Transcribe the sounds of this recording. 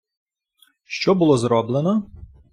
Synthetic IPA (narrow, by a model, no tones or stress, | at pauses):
ʃt͡ʃɔbʊlˠɔzɾɔblˠenɔ